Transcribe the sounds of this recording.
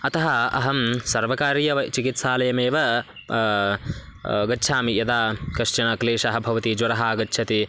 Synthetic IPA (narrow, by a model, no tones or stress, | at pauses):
ɐt̪ɐɦɐɐ̰ɦɐmsɐɾʋɐkaːɾjɐʋɐt͡ʃikit̪saːlɐjɐmeːʋɐ | ɡɐtːʃʰaːmijɐd̪aːkɐʂt͡ʃɐɳɐkleːʂɐɦɐ̆bʱɐʋɐt̪id͡ʒʋɐɾɐɦaːɡɐtːt͡ʃʰɐt̪i